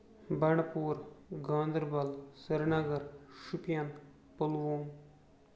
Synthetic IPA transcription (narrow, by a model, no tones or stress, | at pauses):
bɐɳpuːɾɡãːnd̪ɾbɐlsɐɾnɐɡɐɾʃupijan | pəlʋoːm